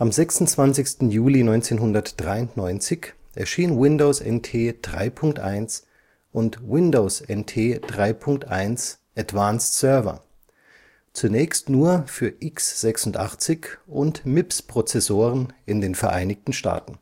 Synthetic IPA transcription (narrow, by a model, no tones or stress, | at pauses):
ʔamzɛksʊn̩t͡sv̥ant͡sɪçstn̩juːlinɔʏnt͡seːnɦʊndɐtd̥ʁaɪʊntnɔʏnt͡sɪçʔɛɐʃiːənwɪndoʊsɛ̰ntʰeːd̥ʁa̰ɪpʰʊŋk̚tʔa̰ɪns | ʔʊntwɪndoʊsʔɛntʰeːd̥ʁaɪpʰʊŋk̚tʔa̰ɪns | ʔatv̥aːnssœɐvɐ̰ | t͡sunɛːçstnuːɐfyːɐʔɪksz̥ɛksʊntʔa̰χt͡sɪçʔʊntmɪpspʁ̥ot͡sɛsoːʁənɪndeːnfɛɐʔaɪnɪçtn̩ʃta̰ːtn̩